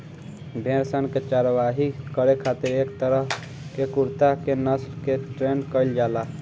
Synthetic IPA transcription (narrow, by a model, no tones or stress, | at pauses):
bʱẽːɾsənket͡ʃaːɾʋaːɦikəɾekʰaːt̪ɪɾeːkt̪əɾəɦ | kekʊɾt̪akenəslkeʈɾenkəɪld͡ʒaːla